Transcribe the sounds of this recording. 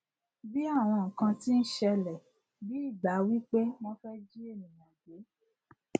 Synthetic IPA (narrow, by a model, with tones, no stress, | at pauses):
bi˦a˦˨w̃ɔ̃˧ŋ̩˨kã˧ti˦n̩˦ʃɛ˧lɛ˨ | bi˨˦i˦˨ɡ͡ba˨˦wi˦k͡pe˦mɔ̃˦fɛ˦d͡ʒi˦e˦˨nĩ˨jã˨ɡe˨˦